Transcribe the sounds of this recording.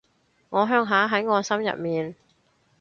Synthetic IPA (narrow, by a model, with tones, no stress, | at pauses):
ŋɔː˨˧ɦœː˧˥ŋɦaː˨˥ɦɐ˨˥jŋɔː˨˧sɐ˥mjɐ̰˨t̚miː˨n